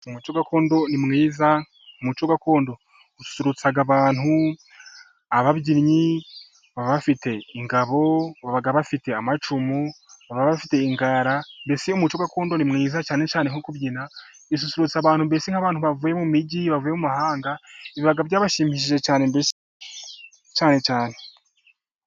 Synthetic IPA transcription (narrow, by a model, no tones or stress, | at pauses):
umut͡ʃoɡakʰo̞ːndo̞nimŋiːza | umut͡ʃoɡako̞ːndo̞ | usu̥suɾut͡saɡaβaːn̥hu | aβabɟiɾɲi | βaβafite̞iŋɡaβo̞βaβaɡaβafite̞amat͡ʃumuβaβaβafite̞iŋɡaɾambe̞siumut͡ʃoɡako̞ːndonimŋiːzat͡ʃaːne̞t͡ʃaːneŋokubɟina | is̬usuɾut͡saβaːn̥humbe̞siŋ̥haβaːnhuβavuːje̞mumiɟiβavujemumahaːŋɡaiβiβaɡaβɟaːβaʃiːmihiʃ̬iʒe̞t͡ʃaːne̞mbes | t͡ʃaːne̞t͡ʃaːne̞